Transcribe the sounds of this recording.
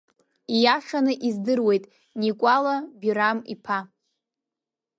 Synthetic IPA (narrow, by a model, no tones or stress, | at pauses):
ijaʂanɨʔizdɨrwe̞jtʼ | nikʷʼalabiɾamḭpʰa